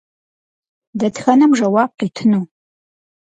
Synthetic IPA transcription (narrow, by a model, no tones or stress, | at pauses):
dɐtxɐnɐmʒɐwaːb̚qiːtʰɨnuː